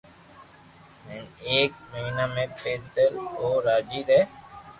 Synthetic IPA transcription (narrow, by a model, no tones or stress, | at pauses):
mɛneːk̚məɦiːnaːmẽːpʰeːɾt̪əloːɾaːd͡ʒiːɾɛː